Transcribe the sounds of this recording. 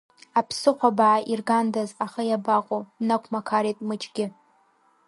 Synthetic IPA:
apʰsɨqʷabaʕaʔirɡandazaχajabaqʷʼonakʷʰmakʰaɾejtʼmɨt͡ʃʼɡʲɪ

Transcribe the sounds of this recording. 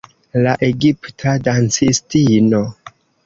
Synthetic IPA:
laʔeɡiptʰadant͡sistino

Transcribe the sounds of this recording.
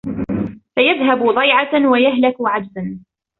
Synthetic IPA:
fajaðɦabʊd̪ˤɑjʕɑwajaɦlakʊʕad͡ʒ̪san

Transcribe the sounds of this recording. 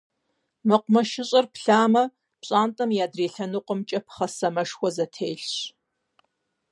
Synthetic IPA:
mɨqʷʊmɐʃɪɕʼɐrpɬaːmɐ | pɕʼaːntʼɐmjaːdreːɬɐnuːqʷəmt͡ʃʼɐpʰχɐsɐmɐʂxʷɔzɐtʰeːɬɕ

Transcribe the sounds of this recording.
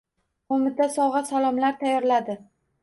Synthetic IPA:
qomɪt̪ʰasɒʁɑsalˠɒmlaɾt̪ʰajːɒɾlad̪ɪ

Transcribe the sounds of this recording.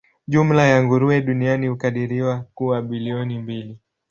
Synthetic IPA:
ʄum̩lajaŋɡuɾuɛɗunianihukaɗiɾiwakuaɓiliɔnimbili

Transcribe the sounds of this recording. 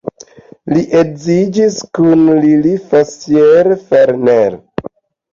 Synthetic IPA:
liʔekzid͡ʒiskunlilifasjeɾfeɾneɾ

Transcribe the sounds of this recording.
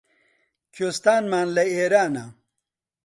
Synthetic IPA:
kʰost̪aːnmaːnlɐeːɾaːna

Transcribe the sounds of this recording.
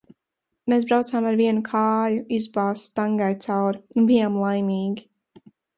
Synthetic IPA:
meːs̬bɾawt̪saːmaɾviɛnʊkʰaːjʊizbɑːst̪aŋɡajt̪sawɾunbijaːmlˠajmiːɡ

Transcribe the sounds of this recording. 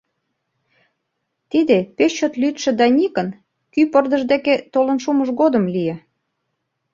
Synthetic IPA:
t̪id̪epet͡ɕot̪lyt̪ʃĕd̪ɑnʲikən | kypərd̪ə̆ʒd̪eket̪olə̆nʃuməʒɣod̪ə̆mlije

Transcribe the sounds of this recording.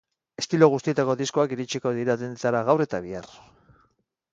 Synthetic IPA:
e̞st̪iloɣust̪ie̞t̪ako̞ðisko̞akiɾit͡ʃiko̞ðiɾaðent͡saɾaɣawɾre̞t̪aβ̞iar

